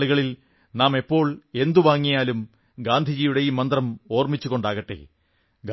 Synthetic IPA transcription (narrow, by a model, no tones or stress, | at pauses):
ɭuɣɐɭil | naːme̞pːo̞ːɭe̞nd̪uʋaːŋːijaːlum | ɡaːnd̪ʱid͡ʑiːjuɽejimɐnd̪rɐmo̞ːrmit͡ɕːuɣo̞ɳɖaːɣɐʈːḛ | ɡ